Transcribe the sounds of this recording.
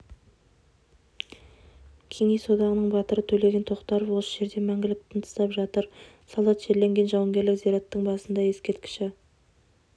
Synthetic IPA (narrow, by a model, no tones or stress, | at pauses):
kʲʰe̞ŋejso̞d̪ɑʁənəɴbɑt̪əɾət̪ʰɵle̞ɡʲe̞nt̪ʰo̞qt̪ɑɾəpwo̞səʒe̞ɾd̪e̞mæŋɡʲɪlɪp̚t̪ʰənt̪ʰə̥sɑpʒɑt̪əɾ | sɑlˠɑt̪ʒe̞ɾle̞ŋɡʲe̞nʒɑwəŋɡʲe̞ɾlɪkziɾɑt̪ːəɴbɑsənd̪ɑje̞skʲe̞ɾt̪̚kʲɪ̥ʃɪ